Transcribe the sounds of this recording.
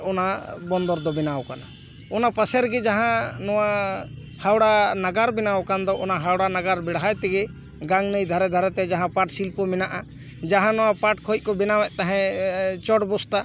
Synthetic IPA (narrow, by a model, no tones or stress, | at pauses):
ɔnabɔnd̪ɔɾd̪ɔbɛnawkana̰ | ɔnapasɛɾɡɛd͡ʒaɦãnɔwa | hawɽanaɡaɾbɛnawkand̪ɔʔɔnaɦawɽanaɡaɾbɛɽɦajt̪ɛɡɛ | ɡaŋnəjd̪ʱaɾɛd̪ʱaɾɛt̪ɛd͡ʒaɦãpaʈsilpɔmɛnaʔa | d͡ʒaɦãnɔwapaʈkʰɔitc̚kɔbɛnawɛʔ̚ˀt̪aɦɛ̃t͡ʃɔʈbɔst̪a